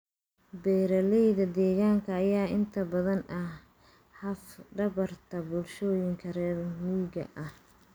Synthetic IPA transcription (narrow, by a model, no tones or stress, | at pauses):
bɛːɾɐlɛjðɐd̪ɛːɣaːŋkʰɐːjaːɪnt̪ʰɐbɐðɐnʔɐh | hɐfɖɐβɐrt̪ʰɐbʊlʃɔːjɪŋkʰɐɾɛːɾmuːɣɐ̰ʔɐh